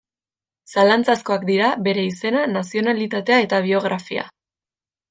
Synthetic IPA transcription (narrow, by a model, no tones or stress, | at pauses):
salant͡sasko̞akd̪iɾabe̞ɾe̞ise̞nanasio̞nalit̪at̪e̞ae̞t̪aβ̞io̞ɣ̞ɾafia̰